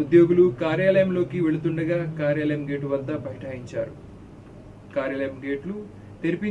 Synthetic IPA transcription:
ud̪jo̞ːɡulukaːɾjaːlɐjɐmlo̞ːkiʋe̞ɭut̪uɳɖɐɡaːkaːɾjaːlɐjɐmɡe̞ːʈuʋɐd̪ːɐbʱɐɦiʈaːɦiɲt͡ʃa̰ːɾu | kaːɾjaːlɐjɐmɡeːʈlu | t̪eɾipi

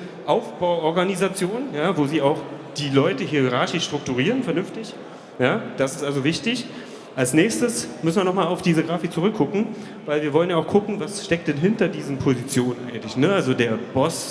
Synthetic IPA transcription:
ʔaʊfb̥aʊʔɔɐɡanizat͡sjoːnjaːvoːziːaʊxd̥iːlɔʏtəhiːɐiʁaɐçɪʃʃtʁ̥ʊk̚tuʁ̞iːʁənfɛɐnʏnftɪç | jaːd̥asɪ̥stʔalzovɪçtɪç | ʔalsnɛːçstəsmʏsn̩viːɐnɔχmaːlaʊfd̥iːzəɡʁaːfɪk̚t͡suʁʏkʰːʊkŋ̩ | vaɪlviːɐvɔlənjaaʊxkʰʊkŋ̩vasʃtɛk̚t̚d̥ɛnɦɪntɐdiːzn̩pʰozit͡sjoːnənʔa̰ɪɡŋ̩tlɪçnəalzodeːɐb̥ɔs

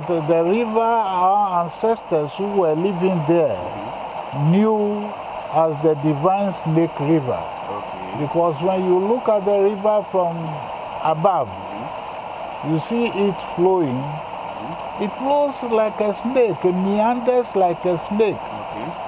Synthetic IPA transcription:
tdəɹivəaãnsɛstəshuwɛlivĩŋdɛ | nju | asdədivãɪ̃nsnekɹivə̰ | bikɔswɛ̃njulukat̚dəɹivəfɹɔ̃m | abav | jusiitfloĩŋ | itflozlaɪkesnekmiãndəslaɪkesnek

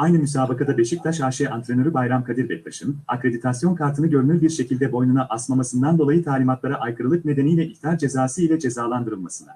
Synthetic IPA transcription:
ajnɯmysaːbakʰad̪abe̞ʃic̚t̪ʰaʃaːʃɛant̪ɾenø̞ɾybajɾamkʰad̪iɾbɛc̚baʃɯna̰kɾe̞d̪it̪ʰasjo̞nkʰaɾt̪ʰɯnɯɟø̞ɾynyɾbiɾʃe̞cʰilʲd̪ɛbo̞jnunaʔasmamasɯnd̪and̪o̞lˠajɯt̪ʰaːlʲimat̪lˠaɾaʔajkʰɯɾɯlˠɯk̚ne̞d̪enijlʲɛʔict̪iaɾd͡ʒe̞zaːsɯilʲɛd͡ʒe̞zaːlˠand̪ɯɾɯlˠmasɯna̰

